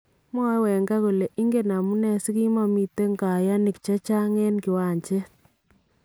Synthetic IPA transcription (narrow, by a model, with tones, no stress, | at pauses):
m˦ɔ˦wɛ˨ŋɡa˦ku˨le˨ʔi˦ŋɡe˦na˨mu˦nɛ˦si˦ki˦mɔ˦mi˨te˦ŋɡa˨ja˦ni˨kt͡ʃɛ˦t͡ʃa˦ŋɛ˦nki˨wa˨ɲt͡ʃe˦